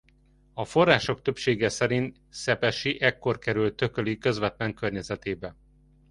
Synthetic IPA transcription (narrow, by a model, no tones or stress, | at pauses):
ɒfo̞rːaːʃo̞k̚t̪ø̞pʃeːɡɛsɛɾint̪ | sɛpɛʃiʔɛkːo̞rkɛɾylt̪ø̞kølikø̞zʋɛt̪lɛŋkørɲɛzɛt̪eːbɛ